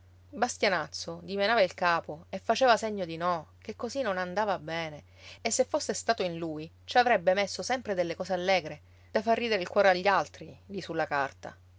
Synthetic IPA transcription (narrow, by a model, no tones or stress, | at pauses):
bast̪janat̪sːod̪imenaːvailkaːpoefːat͡ʃeːvaseɲːod̪inɔk̟ekːozinːonand̪aːvabɛːne | esːefːosːest̪aːt̪oinluːj | t͡ʃavɾɛbːemesːosɛmpɾed̪elːekɔːsealːɛːɡɾe | d̪̥afːarːiːd̪eɾeilkwɔːɾeaʎːalt̪ɾilisulːakart̪a̰